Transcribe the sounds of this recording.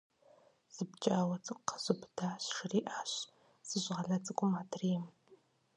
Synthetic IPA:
z̥ɨbt͡ʃʼaːwɐt͡sʼɨkʷʼqz̥ɨbʰdaːɕʂriːʔaːɕ | sɨʑʁɐɮɐt͡sʼɨkʷʼʊmaːtʰriːm

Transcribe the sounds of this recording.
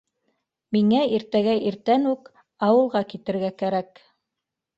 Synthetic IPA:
miŋæiɾt̪æɡæʔiɾt̪ænʉk | ɑwɤ̆lˠʁɑkit̪ɘ̆ɾɡækæɾæk

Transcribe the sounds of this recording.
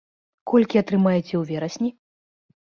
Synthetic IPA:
kɔlʲkʲiɐt̪ɾɨmajɛt͡sʲɛwvʲɛɾɐsʲnʲi

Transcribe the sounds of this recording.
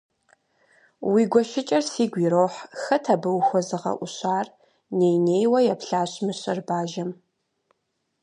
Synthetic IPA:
wiːɡʷɔʃɪt͡ʃʼɐrsiːɡʷiːɾoːħxɐtʰabɨwxʷɔzɨʁɐ̰ʔʷʊɕaːr | neːjneːjwɐjapɬaːɕmɨɕʼɐrbaːʒɐm

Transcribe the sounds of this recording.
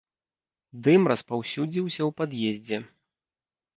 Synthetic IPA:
d̪ɨmɾɐspawsʲud͡zʲiwsʲɐwpad̪jezʲd͡zʲɛ

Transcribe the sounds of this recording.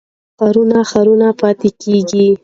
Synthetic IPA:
xaɾunaxaɾunapɑt̪ɪkeɡi

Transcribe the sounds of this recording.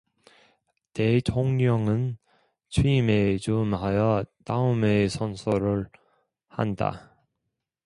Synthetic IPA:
te̞t͡ɕʰoŋɲʌŋɯn | t͡ɕʰwiimet͡ɕumhajʌtaɯmesʰʌnsʰoɾɯɭ | ha̰nda̰

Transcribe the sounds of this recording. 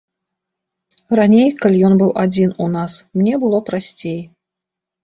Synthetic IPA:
ranʲejkalʲijɔnbɨwʔad͡zʲinunasmnʲɛbɨlˠɔpɾasʲt͡sʲej

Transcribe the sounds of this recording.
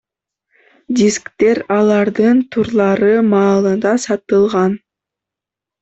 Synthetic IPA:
d̪ʲiskt̪e̞ɾɑlˠɑɾd̪ɯnt̪ʰuɾlˠɑɾɯmɑːlˠɯnd̪ɑsɑt̪ɯlˠʁɑn

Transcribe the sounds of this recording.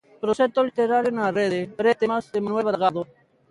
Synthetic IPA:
pɾoset̪olit̪eɾaːɾjonaːɾeːd̪eɾeːt̪emasd̪emənueʋɐɾɣaːd̪o

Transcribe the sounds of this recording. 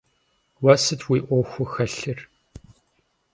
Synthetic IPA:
wɐsɨtʰwiːʔʷɔxʷʊxɐɬɨr

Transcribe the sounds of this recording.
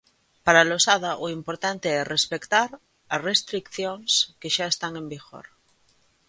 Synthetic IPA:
paɾalosaðaʔoimpoɾt̪ant̪eerespekt̪aɾ | asrest̪ɾikθjoŋskeʃaest̪aŋẽ̞mbiɣo̰ɾ

